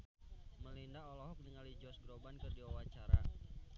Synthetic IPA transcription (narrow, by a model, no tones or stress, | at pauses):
məlindaʔɔlɔɦɔk̚nəŋalid͡ʒɔsɡɾobankɨrdiwawat͡ʃaɾa̰